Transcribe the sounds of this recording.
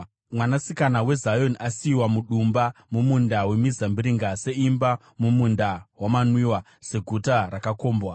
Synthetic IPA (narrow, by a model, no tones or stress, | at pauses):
mwanasikanawe̞zajo̞niʔasiːwamuɗumbamumundawe̞mizambiɾiŋɡase̞imba | mumundawamanwiwa | se̞ɡʱutarakako̞ːmbwa